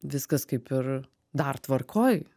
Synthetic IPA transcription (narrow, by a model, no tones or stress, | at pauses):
ʋʲɪskɐskɐɪpɪr | d̪ɐrt̪ʋɐrkʰoːj